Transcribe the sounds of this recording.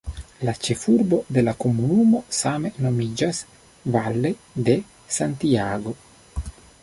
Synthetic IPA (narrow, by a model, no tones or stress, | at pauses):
lat͡ʃe̞fuɾbo̞d̪e̞lako̞munumo̞same̞no̞mid͡ʒas | valːe̞ | d̪e̞ | sant̪iaɡo̞